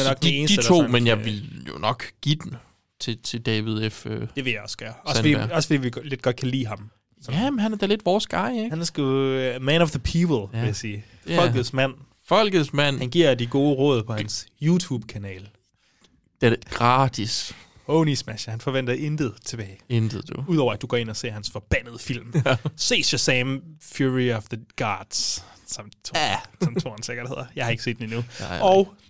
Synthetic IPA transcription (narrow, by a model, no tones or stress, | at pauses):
ɐnɒ̽ɡ̥̚dieːnd̥i̥ət͡sʰo̝̰ːmenjɑ̈ɪʋe̝ljo̝nɒ̽ɡ̥ɡ̥id̥en | t͡sʰe̝t͡sʰe̝d̥ɛʋiðˠefød̥e̝ʋe̝jɑ̈ɪɒ̽sə̥ɡ̥ɶːɐɒ̽sfɒd̥ḭɐɒ̽sə̥fɒ̽dḭːʋile̝d̥̚ɡ̥ɒ̽d̥̚kʰælḭːɦɑ̈m | sɒæmnhænæɐd̥æɐle̝d̥ʋɒːsɡ̥ɑ̈ɪ̰eɡ̥hænæɐsɡ̥umænɒʋðəpʰiːpʰl̩ˠe̝jæsiː | fɒ̽l̰ɡ̥ð̩ˠsmæn̰ | fɒ̽l̰ɡ̥əð̩ˠsmæn̰hænɡ̥iɐ̰d̥iɡ̥o̝ːəʁɔ̰ːðˠpʰɒ̽hæænsjuːt͡sʰuːb̥̚kʰænɛ̰ːl | d̥eɡ̥ʁɑd̥is | oʊnismæʃɐhænfɒ̽ʋen̰d̥ɐʔend̥əð̞̩ˠt͡sʰe̝b̥ɛːɪend̥ð̩ˠd̥uuð̞̰ˠɒʊɐæd̥uɡ̥ɒ̰ːe̝nɐse̝̰ɐhænsfɒ̽b̥æn̰əð̞ˠəfil̰mse̝̰ːsɒseɪmfjuɹiɒfðəɡ̥ɑːd̥ssɒ̽mʰsɒ̽mʰo̝ɐnseɡ̥ɐd̥he̝ð̰ˠɐjɑhɑ̈e̝ɡ̥əse̝̰d̥eninuɒ̽ʊ